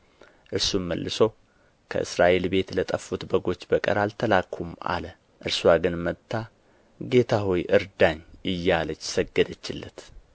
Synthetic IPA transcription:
ʔɨɾsuməlːɨsow | kʰə̰ʔɨsɾaʔe̞lbe̞t̪lət̪ʼəfːut̪bəɡo̞t͡ʃːbəkʼə̰ɾalt̪ʰəlakʰːuma̰lə | ʔɨɾswaɡɨnmət̪ʰːa | ɡe̞t̪ʰaɦojʔɨɾd̪aɲɨjːalət͡ʃːsəɡːəd̪ət͡ʃːɪlːət̪

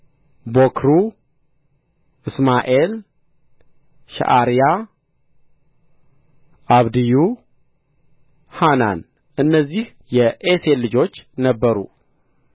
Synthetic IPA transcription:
bokʰɾu | ʔɨsmaʔe̞l | ʃa̰ʔaɾija | ʔaβd̪ɨju | hana̰n | ʔɨnːəzːih | jɛʔeselɨd͡ʒo̞t͡ʃːnəbːəɾṵ

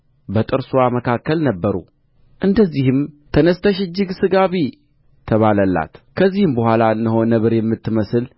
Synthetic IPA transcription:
bət̪ʼɨɾswaməkʰakːəlnəbːəɾṵ | ʔɨnd̪əzːihɨmt̪ʰənəst̪ʰəʃɪd͡ʒːɨɡsɨɡaβi | t̪ʰəβaləlːa̰t̪kʰəzːihɨmbəhʷalaɨnːɨɦonəβɨɾjɛmːɨt̪ːɨməsɨl

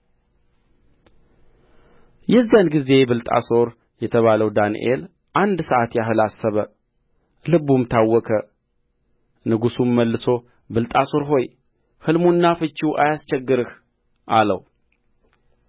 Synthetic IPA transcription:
jɛzːijanɡize̞bɨlt̪ʼa̰so̞ɾ | jɛt̪ʰəβaləwd̪anḭʔe̞̰l | ʔand̪səʔat̪jaɦɨlasːəβə | lɨbumt̪ʰawːɔkʰə | nɨɡusumːəlːɨso̞ | bɨlt̪ʼaso̞ɾɦo̞j | hɨlmunːafɨt͡ʃːuʔajast͡ʃɛɡːɨɾɨh | ʔalə̰w

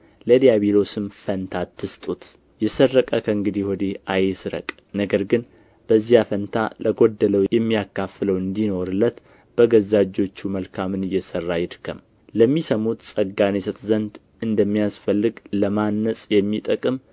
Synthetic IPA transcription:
ləlijaβilo̞sɨmfənt̪ʰat̪ːɨst̪ʼut̪ | jɛsərːəkʼəkʰəɨŋɡɨd̪ihɔd̪eajsɨɾə̰kʼ | nəɡəɾɡɨn | b̥əzːijafənt̪ʰa̰lʔəɡo̞d̪ːələwjɛmːijakːafɨləwɨnd̪ino̞ɾɨlːət̪ | b̥əɡəzad͡ʒːo̞t͡ʃːuməlkʰamɨnɨjːɛsərːajɪd̪kʰəm | ləmːisəmut̪sʼəɡːanesət̪ʼzənd̪ | ɨnd̪əmːijasfəlːɨɡləmanːəsʼjɛmːit̪ʼəkʼɨm

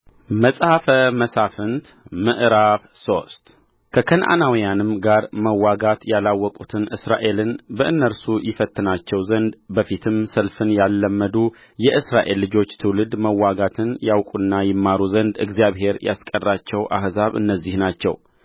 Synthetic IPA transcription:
məsʼhafəməsafɨnt̪ | mɨʔɾaβso̞st̪ | kʰəkʰənʔa̰nawijanɨmɡaɾməwːaɡat̪jalawːɔkʼut̪ʰɨnʔɨsɾaʔe̞lɨnbəʔɨnːəɾsujɪfət̪ʰʼːɨnat͡ʃːɛwzənd̪bəfit̪ʰɨmsəlfɨnjalːəmːəd̪u | jɛʔɨsɾaʔe̞lːɨd͡ʒo̞t͡ʃːt̪ʰɨwlɨd̪məwːaɡat̪ʰɨnjawkʼunːajɪmːaɾuzənd̪ɨ̰ɡzijaβhe̞ɾjʔa̰skʼərːat͡ʃːɛwʔa̰hzaβɨ̰nːəzːɪhnat͡ʃːɛ̰w

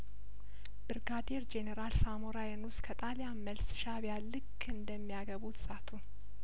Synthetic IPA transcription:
b̥ɨɾɡad̪eɾd͡ʒenəɾalsamoɾajənuskʰət̪ʼaljaməlsʃaβjalːɨkʰʼː | ɨnd̪əmːijaɡəβut̪ʰsʼat̪ʰu

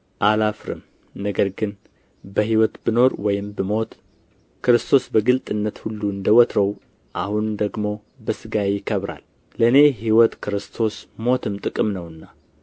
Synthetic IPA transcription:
ʔalafɾɨ̰m | nəɡəɾɡɨn | bəɦiwɔt̪bɨno̞ɾwɔjɪmbɨmo̞t̪ | kʰɨɾɨst̪ʰo̞sbəɡɨlt̪ʼɨnːət̪hulːuɨnd̪əwɔt̪ʰɾəw | ʔahund̪əɡmo̞ | bəsɨɡajjɪkʰəβɾa̰lː | əɨne̞hiwɔt̪kʰɨɾɨst̪ʰo̞smo̞t̪ʰɨmt̪ʼɨkʼɨmnəwɨnːa

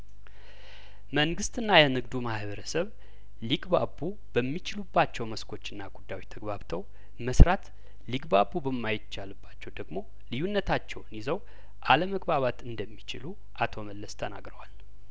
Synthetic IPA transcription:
məŋɡɨst̪ɨnːajɛnɨɡd̪umahβəɾəsəβ | liɡbabu | b̥əmːit͡ʃɪlubːat͡ʃːɛwməskʰo̞t͡ʃːɨnːaɡud̪ːawit̪ʰəɡβaβt̪ʰəw | məsɾat̪ | liɡbabubəmːajɪt͡ʃːalɨbːat͡ʃːɛwd̪əɡmo̞ | lɨjunːət̪ʰat͡ʃːɛwnizəw | ʔaləməɡbaβat̪ɨnd̪əmːit͡ʃɪ̰lu | ʔat̪ʰo̞məlːəst̪ʰəna̰ɡɾəwal

